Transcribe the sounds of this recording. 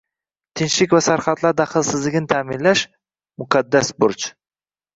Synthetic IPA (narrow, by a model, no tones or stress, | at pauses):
t̪ʰɪnʃlɪkʲvasaɾχat̪laɾd̪aχɨlˠsɪzlɪɡʲnɪt̪ʰaːmɪnlaʃ | mʊkʰad̪ːasbʊɾt͡ʃ